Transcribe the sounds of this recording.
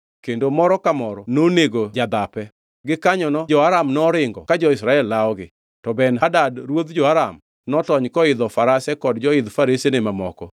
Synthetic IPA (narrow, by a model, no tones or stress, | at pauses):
kendomɔɾɔkamɔɾɔnoneɡod͡ʒad̪apɛ | ɡɪkaɲɔnɔd͡ʒɔaɾamnɔɾɪŋɡɔkad͡ʒɔɪsɾaɛlːaɔɡɪ | tɔbɛnɦadadɾwod̪d͡ʒɔaɾam | nɔtɔɲkɔɪd̪ɔfaɾasɛkɔdd͡ʒɔɪd̪faɾisenemamɔ̰kɔ